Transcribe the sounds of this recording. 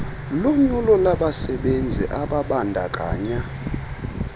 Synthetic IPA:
loɲulɔlaɓasɛɓend͡zʱḭʔaɓaɓandʱa̰kʼa̰ːɲa

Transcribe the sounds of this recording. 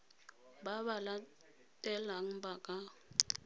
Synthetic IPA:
baβala | tʼɛlaŋ̩bakʼa

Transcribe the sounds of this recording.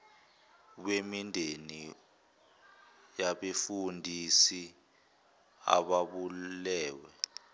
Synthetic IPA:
ɓwemindʱeni | jaɓefundʱisi | a̰ɓaɓulɛːwɛ

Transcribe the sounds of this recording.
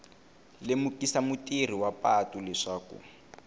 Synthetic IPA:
lemukisamutir̤iwapatulɛʂaːkṵ

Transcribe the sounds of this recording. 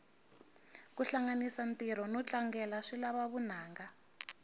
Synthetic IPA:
kuɬaŋanisantiɾɔnɔt͡ɬʼaŋɡɛlaʂilaβaβun̤aːŋɡa

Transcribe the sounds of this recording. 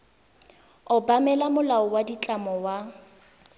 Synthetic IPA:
ʊbamɛlamʊlaɔwadit͡ɬʼamɔwa

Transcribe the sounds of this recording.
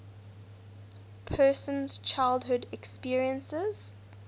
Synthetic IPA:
pʰɜːˑsə̃nz̥t͡ʃʰaɪlˠdɦʊdɛkspiəɹiə̃nsəz̥

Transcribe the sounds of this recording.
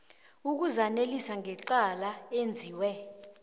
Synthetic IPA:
uk̬uzanelisaŋʱɛǀalaend͡zʱiːwɛ

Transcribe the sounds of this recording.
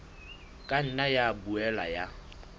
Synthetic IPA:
kʼan̩najabuɛla̰ja

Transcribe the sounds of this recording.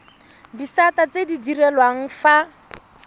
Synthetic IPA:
disatat͡sedidirɛlwaŋ̩fa

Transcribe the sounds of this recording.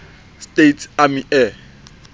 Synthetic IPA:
stʼetʰamiʔɛ

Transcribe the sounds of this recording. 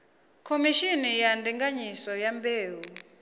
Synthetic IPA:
kʰomiʃinijandiŋɡaɲisɔjambeːwu

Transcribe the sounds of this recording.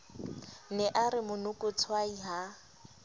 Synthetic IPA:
nɛʔaɾɪmʊnʊkʼʊt͡sʰwaiɦa

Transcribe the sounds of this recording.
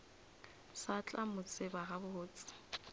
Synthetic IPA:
sat͡ɬʼamʊt͡sʼɪbaɣabʊʊːt͡sʼɪ̥

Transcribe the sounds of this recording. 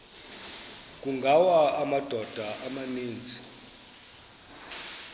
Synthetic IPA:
k̬ʼuŋɡʱawaːmad̥ʱɔd̥ʱaʔamaniːnd͡zʱi

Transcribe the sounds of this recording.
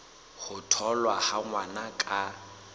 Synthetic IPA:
χʊtʰɔlwahaŋwanakʼa

